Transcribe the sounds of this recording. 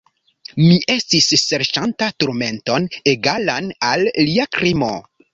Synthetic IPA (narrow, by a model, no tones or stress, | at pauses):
miʔe̞stisːe̞ɾʃantatuɾme̞nto̞neɡalanalːiakɾimo̞̰